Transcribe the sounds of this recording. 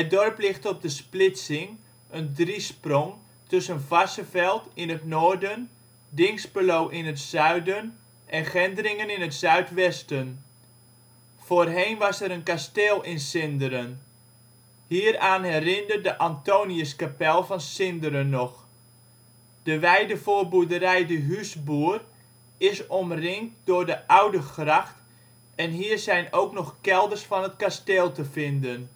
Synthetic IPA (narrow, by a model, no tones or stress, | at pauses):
ədɔrplɪχtɔb̚dəsplɪtsɪŋ | ʔəndrisprɔŋ | tɵsənvɑsəvɛlˠtɪnətnoːɹdən | dɪŋspəlowʔɪnətsœɥdən | ʔɛnχɛndərɪŋənɪnətsœɥtʋɛstən | v̥oːrɦejnʋɑsɛɾənkasteːlˠɪnsɪndəɾən | hiːɾaːnɦɛrɪndərdəʔantoːniəskapɛlˠfɑnsɪndəɾənːɔx | d̥əʋɛjdəfoːrbudəɾɛjdəɦysbuər | ɪsɔmrɪŋt̚d̥ʊrdəʔawdəxrɑxt | ɛnɦiːrzɛjnowknɔxkɛlˠdərsfɑnət̚kasteːlˠtəfɪndən